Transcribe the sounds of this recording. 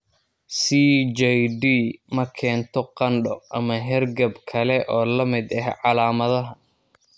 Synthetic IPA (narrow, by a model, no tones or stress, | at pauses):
siːd͡ʒɛjɖiːmɐkʰɛːnt̪ʰɔqɑnɖɔʔɐmɐɦɛrɡɐbkʰɐlɛʔɔːlɐmɪd̪ɐɦʕɑlaːmɐðɐɦɐ